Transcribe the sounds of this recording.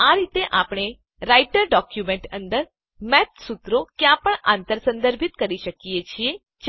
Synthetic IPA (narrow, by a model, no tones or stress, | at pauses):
aɾit̪eʔapɳ̃e | ɾaiʈəɾɖɔkjumeɳʈə̰̃nd̪əɾ | mɛt̪sut̪ɾokjãpəɳant̪əɾsə̃nd̪əɾbʱit̪kəɾiʃəkijet͡ʃʰie | d͡ʒ